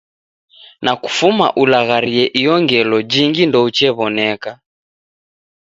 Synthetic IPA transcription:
naku̥fuma̰ʔulaɣaɾiɛʔijɔŋɡɛlɔd͡ʒiŋɡindɔut͡ʃɛβɔnɛka

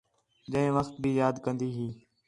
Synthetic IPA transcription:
d͡ʒə̃ɦɪ̃ːʋəxt̪̚bʱiːjaːd̪kə̃nd̪iːɦiː

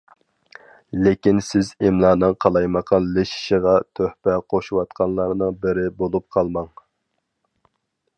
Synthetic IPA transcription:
lekʲinsɪzɪmlˠɑːnɨŋqʰɑlˠɑjmɑqʰɑnlɪʃi̥ʃiʁɑt̪ʰøhpɛqʰoʃuwɑt̪qʰɑnlˠɑɾnɨŋbɪɾɪbolˠup̚qʰɑlˠmɑŋ

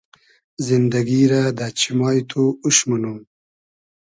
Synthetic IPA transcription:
zind̪ɐɡiɾad̪at͡ɕʰimɑːjt̪ʰuuʃmanum

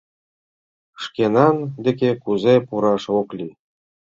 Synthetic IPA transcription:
ʂkʲenɑnd̪ʲĕk̬ʲekuzepuɾɑʂoklʲi

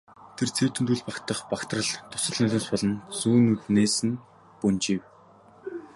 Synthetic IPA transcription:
t̪ʰert͡sʰew̥t̪ʰɘ̆nt̪uːɮpakt̪ə̆χpakt̪rə̆ɮt̪ʰʊ̥sə̆ɮnɵɮʲʊːspɔɮɞ̆nsuːnut̪neːsɘ̆n | pɵnt͡ɕiw

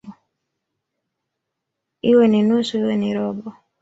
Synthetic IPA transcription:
iweninusuiweniɾɔbɔ

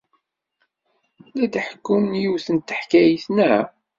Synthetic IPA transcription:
læd̪ħə̥kːunjuwθənt̪ːəħkæjiθnæ

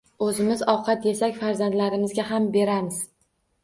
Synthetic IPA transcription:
ɵzɪmɪzɒwqʰɑt̪je̞sakʲfaɾzand̪laɾɪmɪzɡʲaɦambe̞ɾamɪz̥

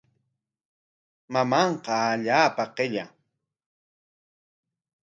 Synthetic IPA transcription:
mamɑɴqɑaʎaːpaqeʎa̰

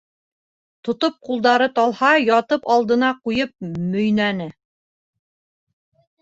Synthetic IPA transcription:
t̪ŏt̪op̚qulˠd̪ɑɾɤt̪ɑlˠhɑjɑt̪ɤpɑlˠd̪ɤ̆nɑqujɤp̚mɵ̆jnænɘ

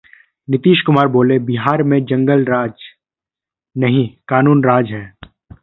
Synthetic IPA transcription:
nɪt̪iːʃkʊmaːɾboːlebɪɦaːɾmẽd͡ʒɐ̃ŋɡəlɾaːd͡ʒ | nɐɦĩkaːnuːnɾaːd͡ʒɦɛː

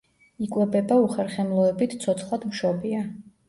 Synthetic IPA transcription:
ikʼwɛbɛbauχɛɾχɛmlˠɔɛbit̪ʰt̪sʰɔt̪sʰχlˠad̪mʃɔbia

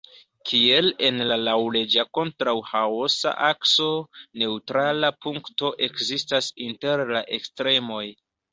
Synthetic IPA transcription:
kʰie̞le̞nlalawle̞d͡ʒako̞ntɾawhaosa̰ʔakso̞ne̞utɾalapuŋkto̞ʔe̞kzistasinte̞ɾlaʔe̞kstɾe̞mo̞j

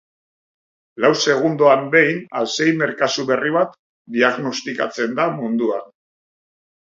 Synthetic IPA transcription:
lawse̞ɣ̞und̪oambe̞jnase̞jme̞ɾkasuβe̞riβ̞at̪ | d̪iaɣno̞st̪ika̰t͡se̞nd̪amund̪uan

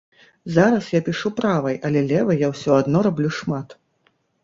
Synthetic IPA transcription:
zaɾɐsjapʲiʂupɾavɐjʔɐlʲɛlʲɛvɐjawsʲɔad̪nɔɾablʲuʂmat̪

